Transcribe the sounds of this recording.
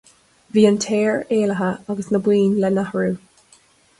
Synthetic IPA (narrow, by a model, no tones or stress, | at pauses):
viːəntʰeːɹeːləɦəaɡəsnəbwiːnlɛnahəɹuː